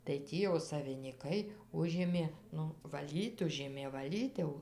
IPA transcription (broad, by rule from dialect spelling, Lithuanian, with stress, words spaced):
tɐɪ ˈtʲiː jɛʊ sɐʋʲɪnʲiːˈkɐɪ ˈʊʒʲeːmʲeː ˈnʊ ʋɐˈlʲiːt ˈʊʒʲeːmʲeː ʋɐˈlʲiːt jɛʊ